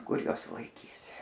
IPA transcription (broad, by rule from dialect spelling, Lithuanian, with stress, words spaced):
ˈkʊr ˈjuɔs lˠɐɪˈkʲiːs